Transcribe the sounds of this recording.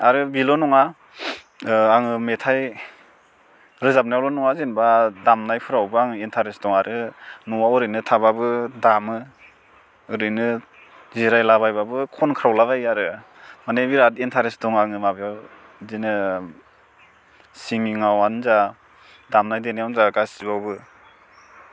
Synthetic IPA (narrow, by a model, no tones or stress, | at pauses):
aɾɯbilɔnɔŋa | aŋɯmetʰaj | ɾɯzap̚najawlɔnɔŋazinbadamnajpʰɯɾawbɯaŋɯintʰaɾesdɔŋaɾʔɯnuwawɔɾɯjnɯtʰababɯdamɯː | ɾɯjnɯ | ziɾajlaβajbabɯkʰɔnkʰɯɾawlaβajaɾɯ | manebiɾatintʰaɾesdɔŋaŋɯmabijaw | zinɯ | siŋiŋawanza | damnajdenejawnzaɡasibawbɯ